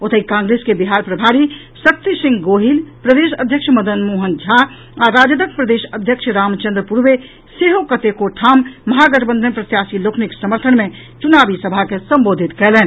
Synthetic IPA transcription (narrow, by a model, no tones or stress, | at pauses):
ot̪ʰəikãŋɡɾeskebiɦaɾpɾəbʱaɾi | sək̚t̪isĩŋɡɡoɦilpɾəd̪eʃə̰d̪ʱjəkʃməd̪ənmoːɦənd͡ʒʱa | aɾad͡ʒəd̪əkpɾəd̪eʃəd̪ʱjəkʃʰɾaːmt͡ʃə̃nd̪ɾəpuɾʋe | seɦokət̪ekoʈʰaːmːɐɦaɡəɾbə̃nd̪ʱənpɾət̪jasilokʰniksəməɾt̪ʰənmẽ | t͡ʃunabisəbʱakesəmbod̪ʱit̪kɛlɛːn